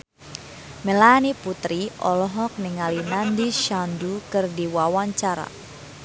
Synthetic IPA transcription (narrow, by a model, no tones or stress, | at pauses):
mɛlaniput̪ɾiɔlɔɦɔk̚niŋalinandiʃandukɨrdiwawaɲt͡ʃaɾa̰